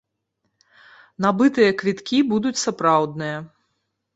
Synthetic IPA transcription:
nabɨt̪ɨjɐkvʲit̪kʲibud̪ut͡sʲsapɾawd̪nɨjɐ

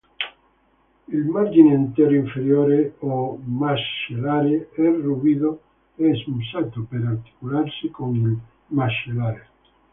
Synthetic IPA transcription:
elmaɾʝinẽnt̪eɾoiɱfeɾjoɾeomasʃelaɾeɛruβiðo | eːsmusat̪opeɾaɾt̪i̥kulaɾsɪkonel | maʃelaɾe

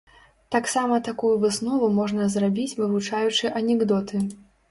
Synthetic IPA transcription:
t̪aksamɐt̪akujuvɨsnɔvumɔʐnɐzrabʲit͡sʲvɨvut͡ʂajut͡ʂɨʔɐnʲɛɡd̪ɔt̪ɨ

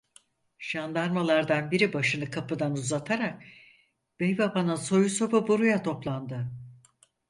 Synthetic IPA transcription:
ʒ̥and̪aɾmalˠaɾd̪anbiɾibaʃɯnɯkʰapɯd̪anuzat̪ʰaɾak̚ | b̥ejbabanɯnso̞juso̞pabuɾujat̪ʰo̞plˠand̪ɯ

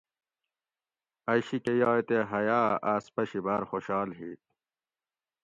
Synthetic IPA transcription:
ɐɕikejaːet̪eɦɐjaːaːspɐɕibaːɾxoɕaːlɦiːt̪̚

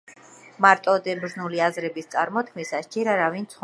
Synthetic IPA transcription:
maɾt̪ʼɔd̪ɛbɾznuliazɾɛbist̪sʼaɾmɔt̪̚ʰkʰmisast͡ʃɛɾaɾavint̪sʰχ

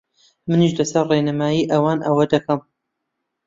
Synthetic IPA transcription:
mɨniʃlɐsɐɾrenɐmaːjiːʔɐwaːnʔɐwɐd̪ɐkɐm

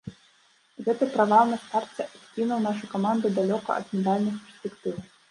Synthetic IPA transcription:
ɣɛt̪ɨpɾavawnɐst̪art͡sʲɛʔasʲkʲinɐwnaʂɨjkamand̪ɨd̪alʲɔkɐ̰ɐ̰d̪mʲɛd̪alʲnɨxpʲɛr̥sʲpʲɛkt̪ɨw

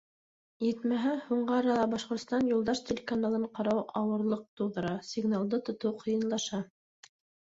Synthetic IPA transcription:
jɘt̪mæɦæhuɴɢɑɑɾɑlˠɑbɑʃqŏɾt̪st̪ɑnjulˠd̪ɑʃtʲelʲekanalˠɤɴqɑɾɑwɑwɤ̆ɾlˠɤq̚t̪uwðɤ̆ɾɑsʲiɡnalˠd̪ɤt̪ŏt̪ɤwqʰɤ̆jɤ̆nlˠɑʃɑ

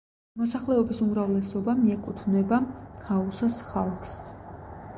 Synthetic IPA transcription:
mɔsaχlɛɔbisumɾavlɛsɔbamiɛkʼut̪ʰvnɛbakʰausasχalˠχs

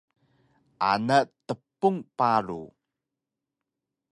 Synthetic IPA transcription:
ʔa̰natəpːuŋpaɾṵ

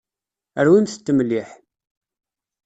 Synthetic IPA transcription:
əɾwimθət̪ːəməlːiħ

